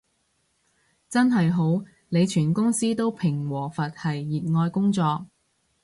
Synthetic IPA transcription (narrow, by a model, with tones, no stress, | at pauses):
t͡sɐ˥nɦɐ˨jɦo˨˥w | ne˨˧jt͡ʃʰyː˨˩nkʊ˥ŋsiː˥t̪o˥wpʰɪ˨˩ŋwɔː˨˩fɐ˨t̚hɐ˨jːiː˨˩t̚ŋɔː˧jkʊ˥ŋt͡sɔː˧k̚